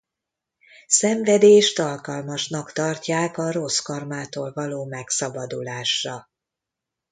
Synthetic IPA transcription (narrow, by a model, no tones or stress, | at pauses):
sɛɱvɛd̪eːʃt̪ɒlkɒlmɒʃnɒkt̪ɒrcaːkɒɾo̞skɒrmaːt̪oːlvɒloːmɛksɒbɒd̪ṵlaːʃrɒ